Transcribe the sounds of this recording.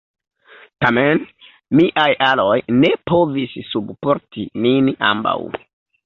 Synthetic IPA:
tamen | miʔajalo̞jne̞po̞vissubpo̞ɾtinina̰mba̰w

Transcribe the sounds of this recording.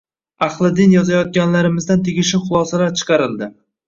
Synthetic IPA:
ɑχlˠɪd̪ɪnjɒzajɒt̪̚ɡʲanlaɾɪmɪzd̪ant̪ʰeɡʲɪʃɪχʊlˠɒsalaɾt͡ʃʰɨ̥qʰɑɾɪlˠd̪ɪ

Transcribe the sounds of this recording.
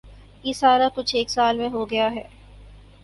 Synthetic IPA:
jisaːɾakʊt͡ʃʰeːksaːlmẽɦoɡɐjaɦɛː

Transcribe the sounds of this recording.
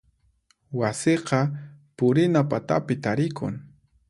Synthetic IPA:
waseqɑpʊɾɪnapat̪a̰pɪt̪aɾɪkʰʊ̰ŋ

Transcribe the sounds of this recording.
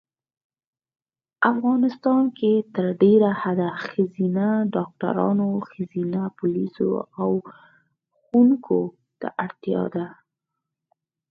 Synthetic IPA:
afɣɑnɪst̪ɑnket̪əɾɖeɾahad̪axazinaɖɑk̚ʈa̰ɾɑ̰noxazinapʊliso̰aw | xuŋkʰo | d̪̥ə̰ʔaɽt̪jɑ̰d̪a

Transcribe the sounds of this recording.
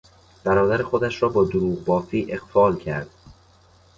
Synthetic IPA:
b̥æɾɒːd̪æɾexod̪æʃɾɒːbɒːd̪oɾuːʁbɒːfiːʔe̞ɣ̥fɒːlcʰæ̰ɾd̪̥

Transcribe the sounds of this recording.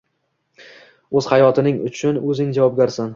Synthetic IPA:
ɵz̥hajɒt̪ʰɪnɪŋʊ̰t͡ʃʰʊnɵzɪŋd͡ʒavɒb̚ɡʲaɾsan

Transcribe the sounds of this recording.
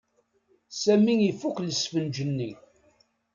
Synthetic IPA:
sæmiŋifːukʷləsfənd͡ʒənːi

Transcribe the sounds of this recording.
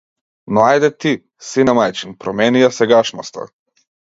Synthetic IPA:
nɔajd̪ɛt̪i | sinamajt͡ʃinpɾɔmɛnijasɛɡaʃnɔst̪a̰

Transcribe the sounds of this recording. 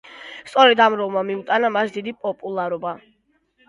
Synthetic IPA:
st̪sʼɔɾɛd̪amɾɔlˠmamimt̪ʼanamasd̪id̪ipʼɔpʼulˠaɾɔba

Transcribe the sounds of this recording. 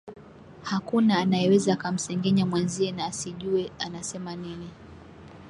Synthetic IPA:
hakunaːnajɛwɛzaːkam̩sɛŋɡɛɲamwanziɛnaːsiʄuɛanasɛmanini

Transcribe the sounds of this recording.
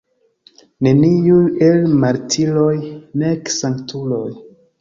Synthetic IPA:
ne̞niujelmaɾtʰilojneksaŋktʰuloj

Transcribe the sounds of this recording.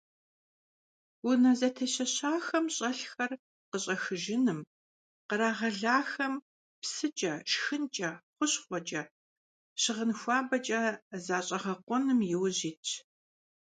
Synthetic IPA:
wʊnɐzɐtʰɐɕɐɕaːxɐmɕʼɐɬxɐr | qəɕʼɐxɨʒɪnɨm | qəɾaːʁɐɮaːxɐm | psɨt͡ʃʼɐʃxɨnt͡ʃʼɐχʷʊɕχʷɔt͡ʃʼɐ | ɕɪʁənxʷɑːbɐt͡ʃʼɐzaːɕʼɐʁɐqʷɔnɨmjɪwʑiːtʰ

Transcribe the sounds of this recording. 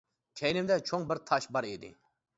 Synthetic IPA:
kʲʰɛjnɪmd̪ɛt͡ʃʰoŋbɪɾt̪ʰɑʃbɑɾid̪ɪ̰

